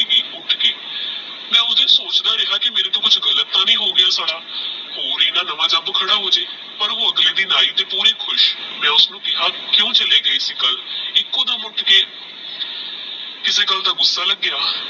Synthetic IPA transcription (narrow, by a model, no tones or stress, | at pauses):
biːʊʈʰkeː | mɛ̃ːʊd̪eːsoːt͡ʃd̪aːɾɪɦaːkɪmeːɾeːt̪õːkʊt͡ʃʰɡələt̪ːãːnĩːɦoːɡɪjaːsaːɽaːɦoːɾiːnãːnəʋãːd͡ʒaːbkʰəɽaːɦoːd͡ʒeː | pəɾoːəɡliːd̪iːnaːiːt̪eːpuːɾeːkʰʊʃmɛ̃ːʊsnũːkɪɦaːkɪjõːt͡ʃəleːɡəesiːkəlɪkːõːd̪aːmʊʈʰkeː | kɪseːɡəld̪aːɡʊsːaːləɡːɪaː